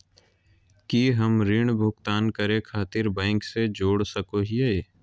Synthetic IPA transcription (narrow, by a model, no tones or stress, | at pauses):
kiɦɐmɾiːɳ̃bʱʊɡt̪aːnkəɾẽkʰaːt̪ɪɾbɛ̃ːŋksed͡ʒoːɽsɐkoɦieeː